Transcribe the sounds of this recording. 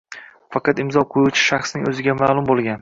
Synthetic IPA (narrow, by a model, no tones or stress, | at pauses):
fɑqʰɑt̪ɪmzɒqʰojut͡ʃʰɪ̥ʃɑχsnɪŋɵzɪɡʲamaːlˠʊmbolˠɡʲan